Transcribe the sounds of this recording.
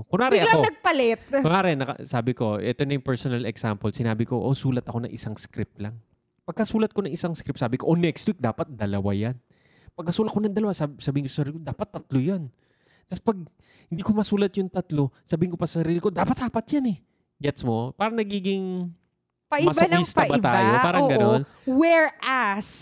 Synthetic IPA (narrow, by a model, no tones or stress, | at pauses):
konaːɾɪʔɐkoɐɡ̚pɐlɛt̪̚koaːɾɛnɐkɐ̰saːbɪko̞ʔɛt̪onɐjʊmpɛɹsonɐlɛɡsampɛlsɪnaːbɪkoʔosuːlɐt̪ɐko̞nɐ̰ŋʔɪsaŋskɾɪp̚lɐŋ | pɐɡ̚kɐsuːlɐt̪̚ko̞nɐŋɪsaŋskɾɪp̚saːbɪkoʔonɛkst̪wik̚d̪aːpɐt̪̚d̪ɐlɐwa̰jan | pɐɡ̚kɐsuːlɐt̪̚konɐŋd̪ɐlɐwasasɐbiːɪŋkosɐsɐɾiːlɪkod̪aːpɐt̪ːɐt̪lojon | t̪ɐspɐɡ̚ | hɪnd̪iːkomɐsuːlɐt̪jʊŋt̪ɐt̪lo̞sɐbiːhɪŋkopɐsɐsɐɾiːlɪko̞d̪aːpɐt̪̚haːpɐt̪̚janɛ | ɡɛt̪smo̞paːɾɐŋnɐɡiːɡɪŋ | pɐɪmɐsbaniːst̪ɐbɐt̪aːjopaːɾɐŋɡɐon | wɛɹʔas